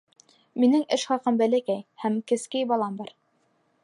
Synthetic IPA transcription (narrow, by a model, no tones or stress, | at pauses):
minɘŋɘʃχɑqɤmbælækæjhæmkɘ̆skɘjbɑlˠɑmbɑɾ